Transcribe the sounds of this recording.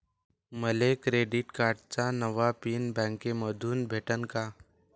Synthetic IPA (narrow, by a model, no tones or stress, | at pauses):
məlekɾeːɖɪʈkaːʈt͡ʃanəʋapiːnbɛ̃ːŋkemɔːd̪ʱuːnbʱeːʈənkaː